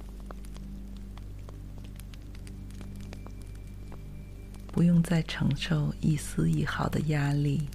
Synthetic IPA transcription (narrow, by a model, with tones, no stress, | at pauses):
pu˧˥jʊ˥˧ŋt͡sa˥˩ɪʈ͡ʂʰɤ˧˥ŋʂo˥˧ʊi˥˩sɹ̩˥i˥˩xɑ˨˩ʊd̪ə̰˧ja˥li˥˩